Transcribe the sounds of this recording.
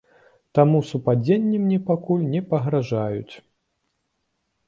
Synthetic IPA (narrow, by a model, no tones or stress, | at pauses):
t̪amusupad͡zʲenʲːimnʲɛpakulʲnʲɛpɐɣɾaʐajṵt͡sʲ